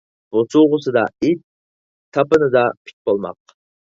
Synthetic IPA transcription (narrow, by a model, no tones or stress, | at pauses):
b̥osuʁʊsɨd̪ɑ̰i | t̪ʰːɑpɨnɨd̪ɑpʰi̥kʲbolˠmɑ̰q